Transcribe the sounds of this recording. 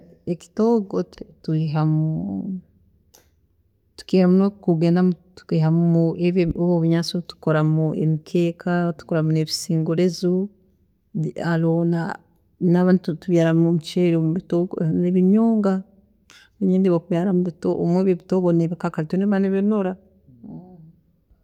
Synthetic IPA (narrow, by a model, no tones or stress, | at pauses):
eki̥toːɡottuiɦamu | tu̥keːɾamunokuɡenamutu̥kiːɦamueβoβoβiɲaːt͡sotu̥koɾamuḛmikʰeːkʰatu̥koɾamuneβisiːŋɡuɾezu | alona | naβaːnttutuβjaːɾamumut͡ʃeɾomβitoeβiɲoːŋɡa | eɲiːndiβokuβjaːɾamuβito̰ʔomweβeβitoːβoneβikakalitoneβaneβenoɾa